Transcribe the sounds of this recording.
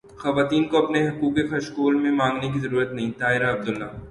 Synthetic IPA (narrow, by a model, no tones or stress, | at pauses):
xɐʋaːt̪iːnkoɐpneɦɐkuːkexɐʃkoːlmẽmãːŋɡnek̬izɐɾuːɾət̪nɐɦĩt̪aːɪɾaɐb̚d̪ʊlːaː